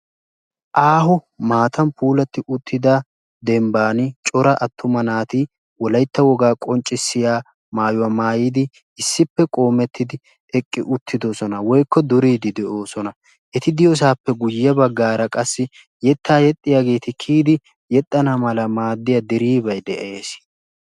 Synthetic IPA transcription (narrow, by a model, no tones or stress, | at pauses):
ʔaːhʊ | maːt̪ɐnpuːlɐt̪ːɪʔʊt̪ʰːɪd̪aː | d̪ɛmbaːnɪt͡ʃʼɔɾɐʔɐt̪ːʊmɐnaːt̪i | wɔlɐjt̪ːɐwɔɡaːkʼɔnt͡ʃʼːɪsːɪjaː | maːjʊwamaːjiːd̪ɪ | ɪsːɪpːɛkʼo̞ːmɛt̪ːɪd̪ɪ | ɛkʼːɪʔʊt̪ːɪd̪osɔnɐwɔjkːɔd̪ʊɾiːd̪ɪd̪ɛʔo̞ːsɔnɐ | ʔɛt̪ɪd̪ɪjɔs̬aːpːɛɡʊjɐbɐɡːaːɾɐkʼɐsːɪ | jɛt̪ʰːaːjɛt̪ʼːɪjaːɡe̞ːt̪ɪkʰiːd̪ɪ | jɛt̪ʼːɐnamɐlɐmaːd̪ːɪjɐd̪ɪɾiːbɐjd̪ɛʔeːs